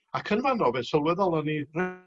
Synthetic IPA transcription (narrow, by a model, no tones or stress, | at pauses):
akʰənvanrɔbɛnsɔwɛðɔlˠənirɛ